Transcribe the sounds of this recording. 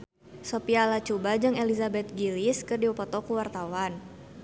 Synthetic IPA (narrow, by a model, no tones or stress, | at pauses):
sopialat͡ʃubad͡ʒɨŋelizabɛt̪̚ɡiliskɨrdiɔpɔt̪ɔkuwart̪awan